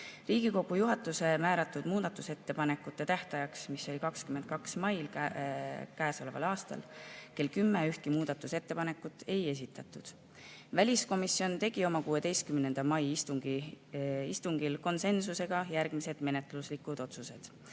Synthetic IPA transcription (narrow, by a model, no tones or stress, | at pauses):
riːɡ̥iko̞ɡ̥ujuɦɑt̪ːˑuse̞mæːɾɑt̪ːˑud̪̥muːd̪̥ɑt̪ːˑuse̞t̪ːe̞pɑne̞kːˑut̪ːˑe̞t̪æht̪ɑjɑksmisːo̞lʲikɑkskymend̪̥̚kɑksmɑjl | kæːso̞le̞vɑ̰lɑːst̪ɑ̰lke̞lkymːeyht̪kimuːd̪̥ɑt̪ːˑuse̞t̪ːepɑne̞kːˑut̪ːˑe̞je̞s̬it̪ːˑɑt̪ːˑud̪̥ | vælʲisko̞misio̞nt̪e̞ɡ̥io̞mɑkuːe̞d̪e̞jst̪kymne̞nd̪̥ɑmɑjist̪uŋɡ̥i | ist̪uŋɡ̥ilko̞nse̞nsuse̞ɡ̥ɑjærɡ̥mise̞d̪̥me̞net̪luslikud̪̥o̞t̪suse̞d̪̥